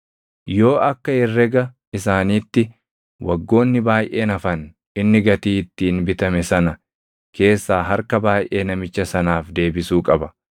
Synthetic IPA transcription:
jo̞ːʔɐkːɐɪrːɛɡɐ | ɪsaːniːt̪ːɪ | wɐɡːo̞ːnːɪbaːjʔe̞ːnɐfɐn | ɪnːɪɡɐt̪iːt̪ːiːnbɪt̪ɐmɛsɐnɐ | kʰe̞ːsːaːɦɐɾkɐbaːjʔe̞ːnɐmɪt͡ʃːɐsɐnaːfd̪e̞ːbɪsuːkʼɐbɐ

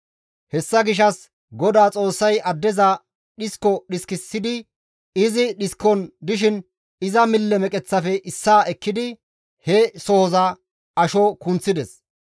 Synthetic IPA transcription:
hɛsːɐɡɪʃ̬ɐs | ɡɔd̪aːt͡sʼo̞ːsːɐjʔɐd̪ːɛzɐ | ɗɪskːɔɗɪskɪsːɪd̪ɪ | ɪzɪɗɪskɔnd̪ɪʃ̬ɪn | ɪzɐmɪlːɛmɛkʼɛt͡sːɐfɛʔɪsːaːʔɛkːɪd̪ɪ | hɛsɔhɔzɐ | ɐʃɔkʊnt͡sːɪd̪ɛs

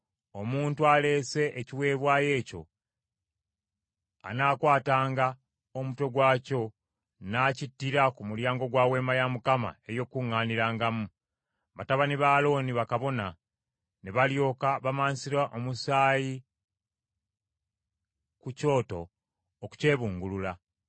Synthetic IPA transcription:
omuːntuale̞ːse̞ʔeciwe̞ːβwaːje̞ːco̞̰ | a̰naːkwaːtaːŋɡa | omuto̞ɡwaːco̞ | naːcitːiɾakumuljaːŋɡo̞ɡwaːwe̞ːmajamukama̰e̞jo̞kuŋːaːniɾaːŋɡamu | βataβaniβaːlo̞ːniβakaβo̞na | ne̞βaljo̞ːkaβamaːnsiɾaʔomusaːji | kuco̞ːto̞̰ | oku̥ce̞ːβuːŋɡulula

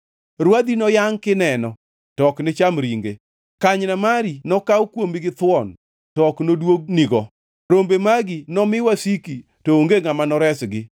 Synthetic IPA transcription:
ɾwad̪inɔjaŋkɪnɛnɔ | tɔknɪt͡ʃamɾiŋɡe | kaɲnamaɾinɔkawkwomiɡɪt̪wɔn | tɔknodwoɡ̚niɡɔ | ɾombemaɡinɔmɪwasiki | tooŋɡeŋamanɔɾɛsɡɪ

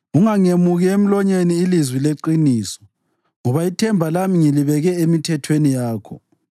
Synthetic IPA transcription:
uŋaŋemuɣɛem̩lɔɲeniːlizwileǃiniːsɔ̥ | ŋɔβaitʰɛmbʱalamiŋiliβɛɣɛemitʰɛtʰwenijaːkʰɔ

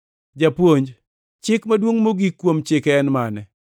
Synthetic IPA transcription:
d͡ʒapwoɲd͡ʒ | t͡ʃɪkmadwoŋmoɡikːwomt͡ʃɪkɛnmanɛ

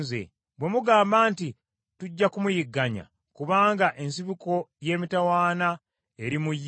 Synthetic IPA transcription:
zḛ | bwe̞muɡaːmbaːnti | tuɟːakumujiɡːaɲa̰ | kuβaːŋɡaʔe̞nsiβuko̞je̞ːmitawaːna | e̞ɾimuj

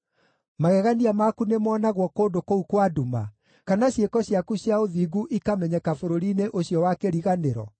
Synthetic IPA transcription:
maɣɛɣaniamakunemɔːnaɣwɔkoːndokoukwaduma̰ | kanaɕjekɔɕjakuɕjaoðiːɡuʔikamɛɲɛkafoɾoɾineʔoɕjɔwakeɾiɣaneɾɔ̰

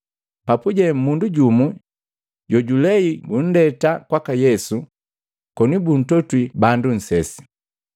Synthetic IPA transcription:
papuɟɛm̩munduɟumu | ɟɔɟulɛiɡun̩dɛtakwakajɛsu | kɔnibun̩tɔtwibandun̩sɛsi̥

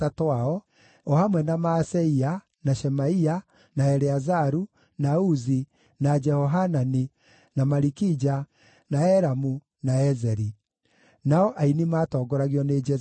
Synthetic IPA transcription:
atoaɔ | ɔhamwɛnamasɛia | naʃɛmaia | naɛɾɛazaɾu | nauzi | nad͡ʒɛhɔɦanani | namaɾikid͡ʒa | naɛɾamu | naɛzɛɾi | naɔʔainimaːtɔːɡɔɾaɣjɔned͡ʒɛ

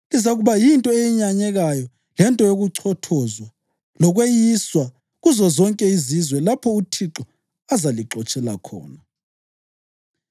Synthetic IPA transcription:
lizaɣuβajintʼɔejiɲaɲɛɣajɔ | lɛntʼɔjoɣuǀʰɔtʰɔzwa | lɔɣwejiswa | ɣuzɔzɔŋkʼɛizizwɛlapʰɔutʰiǁɔ | azaliǁɔt͡ʃʼɛla̰kʰɔ̰ːna

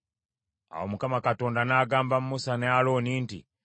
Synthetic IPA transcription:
a̰womukamakato̞ːndanaːɡaːmbamumusanealo̞niːntḭ

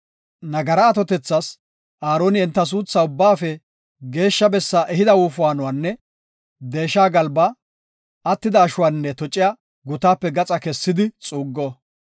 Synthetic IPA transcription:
nɐɡɐɾɐːt̪ɔt̪ɛt͡sːɐs | ʔaːɾoːnɪɛnt̪ːɐs̬uːt͡sːaʊbːaːfɛ | ɡe̞ːʃːɐbɛsːaːʔɛɦɪd̪ɐwuːfʊwaːnʊwaːnːɛ | d̪e̞ːʃːaːɡɐlbɐ | ɐt̪ːɪd̪ɐːʃʊwaːnːɛt̪ɔt͡ʃʼːɪja | ɡʊt̪aːpːɛɡɐt͡sʼɐkɛsːɪd̪ɪt͡sʼuːɡːɔ

